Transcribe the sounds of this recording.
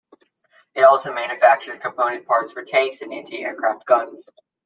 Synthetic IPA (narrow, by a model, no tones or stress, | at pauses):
ɨɾɔlˠsoʊmæ̃njɨfæk̚t͡ʃə˞d̚kʰə̃mpʰõʊ̃nɨ̃n̚pʰɑɹtsfə˞tʰeɪksɨ̃nɪ̃ntʰʉɛɹkʰɹ̥æft̚ɡ̥ʌ̃nz̥